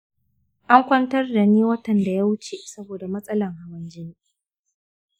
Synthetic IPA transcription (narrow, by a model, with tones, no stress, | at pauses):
ʔa˦ŋkʷɐ˦ntɐ˦rda˨niː˦wɐ˦tɐ˨nda˨ja˦wʊ˦t͡ʃe˨sɐ˦boː˨da˨mɐ˦sʼɐ˦lɐ˨ŋha˨wɐ˦nd͡ʒɪ˦niː˦